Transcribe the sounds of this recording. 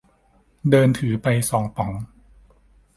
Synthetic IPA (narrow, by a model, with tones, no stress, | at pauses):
dɤː˧nt̪ʰɯː˩˦pa˧jsɔː˩˦ŋpɔ˩˦ŋ